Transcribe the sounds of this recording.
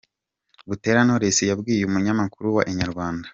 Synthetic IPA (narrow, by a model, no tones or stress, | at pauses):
βute̞ːɾano̞ɾesejabɡiːjeumuɲamakuɾuwaʔeɲaɾɡwaːndḁ